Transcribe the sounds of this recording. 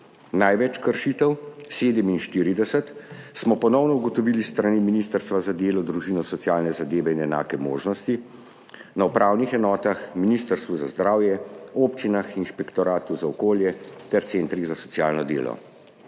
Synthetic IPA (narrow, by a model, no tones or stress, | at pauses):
najʋɛt͡ʃkəɾʃit̪əwseːd̪əminʃt̪iːɾid̪ɛsət̪smɔpɔnɔwnɔuɡɔt̪ɔʋilist̪ɾaniminist̪əɾst̪ʋazad̪eːlɔd̪ɾuʒinɔsɔt̪sjaːlnɛzad̪eːʋɛinɛna̰ːkɛmo̰ːʒnɔst̪i | naupɾʔaːwnixɛnɔːt̪axminist̪əɾst̪ʋuzazd̪ɾaːwjɛoːpt͡ʃinaxinʃpɛkt̪ɔɾaːt̪uzaɔkoːljɛt̪ɛɾt̪sent̪ɾiɣzasɔtsija̰ːlnɔd̪ḛːlɔ̰